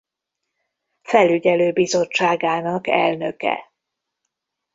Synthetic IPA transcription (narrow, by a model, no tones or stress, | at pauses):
fɛlyɟɛløːbizo̞t͡ʃːaːɡaːnɒkɛ̰lnø̞kɛ̰